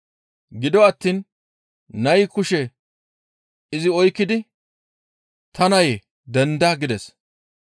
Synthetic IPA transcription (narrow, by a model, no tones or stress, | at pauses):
ɡɪd̪ɔɐt̪ːiːn | nɐjkʊʃɛ | ɪzɪɔjkːɪd̪ɪ | t̪ɐnɐje | d̪ɛnd̪aːɡɪd̪ɛs